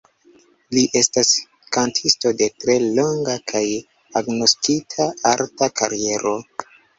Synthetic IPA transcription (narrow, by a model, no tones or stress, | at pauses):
liʔe̞stas | kantʰisto̞de̞tɾe̞lo̞ŋɡakʰaj | aɡno̞stitʰaaɾtakʰaɾie̞ɾo̞